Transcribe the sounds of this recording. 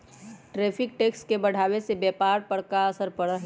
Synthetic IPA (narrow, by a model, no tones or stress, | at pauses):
ʈɾeːpʰɪk̚ʈeːkskebɐɽ̤aːʋesebɛːpaːɾpəɽkaɐsəɾpəɽəɦ